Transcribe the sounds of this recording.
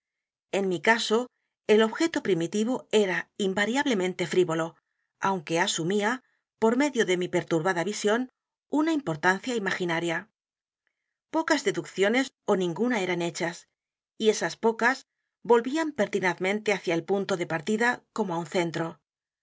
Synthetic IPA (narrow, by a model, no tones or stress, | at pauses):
e̞nmikaso̞ | e̞lo̞βxe̞t̪opɾimit̪iβ̞o̞e̞ɾaimbaɾjaβle̞mẽ̞nt̪e̞fɾiβo̞lo̞ | awŋke̞asumia | po̞ɾme̞ðjo̞ðe̞mipe̞ɾt̪uɾβaðaβisjo̞n | unaimpo̞ɾt̪anθjaimaxinaɾja | po̞kazðe̞ðukθjo̞ne̞s | o̞nĩŋɡunae̞ɾane̞t͡ʃas | ie̞saspo̞kas | bo̞lβiampe̞ɾt̪inaðmẽ̞nt̪e̞aθjaelpunt̪o̞ðe̞paɾt̪iðako̞moaunθe̞nt̪ɾo̞